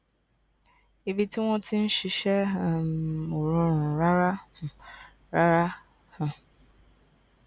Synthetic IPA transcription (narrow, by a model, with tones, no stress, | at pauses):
i˨bi˦ti˦w̃ɔ̃˦ti˦n̩˦ʃi˨ʃɛ˦˨ | o˨ɾõ˦ɾʊ̃˨ɾa˦ɾã˦˨ | ɾa˦ɾa˦ | hʊ̃˨